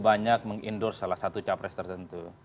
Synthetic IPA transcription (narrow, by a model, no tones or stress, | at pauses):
baɲak̚məŋindʊrsːalahsat̪ut͡ʃapɾɛst̪ərt̪ənt̪u